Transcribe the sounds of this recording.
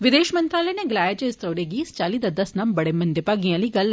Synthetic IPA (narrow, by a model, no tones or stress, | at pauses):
ʋɪd̪eːʃmə̃nt̪ɾaːləneɡɪlaːjed͡ʒeɪst̪ɾoːɾeːɡiːst͡ʃaːliːd̪ad̪ɐsnambəɽeːmɐ̃nd̪epaːɡɪjãːliːɡɐl